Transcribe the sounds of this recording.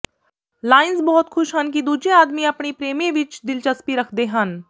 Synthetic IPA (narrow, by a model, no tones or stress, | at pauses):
laːɪnsbɔɦʊt̪xʰʊʃɦɐnk̬id̪uːd͡ʒeaːd̪miɐpɳipɾeːmẽʋɪt͡ʃd̪ɪlt͡ʃɐspiɾɐkʰd̪eɦɐn